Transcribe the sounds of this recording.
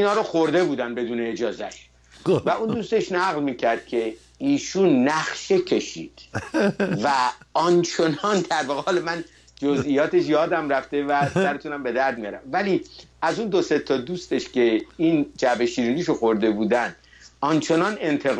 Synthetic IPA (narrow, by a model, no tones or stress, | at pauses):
inhɒːɾoxoɾd̪e̞buːd̪æn̚be̞d̪uːneːd͡ʒɒːzæʃ | væund̪uːst̪eʃnæɣlmiːcʰæɾd̪̥̚cʰe̞ | iːʃunːæχʃe̞cʰe̞ʃḭːd̪̥ | væɒnt͡ʃʰe̞nɒnd̪æɾbeɣɒːlemæn | d͡ʒozijɒːt̪e̞ʃjɒːd̪æmɾæft̪e̞væsæɾet̪ʰuːnæmbe̞d̪æɾd̪̚mijɒɾæ̰mvæliæzund̪o̞se̞t̪ʰɒd̪uːst̪e̞ʃce̞ind͡ʒæbeʃiːɾiːniʃoxo̞ɾd̪e̞buːd̪ænd̪̥ | ɒnt͡ʃʰe̞nɒne̞nt̪ʰe̞ɣ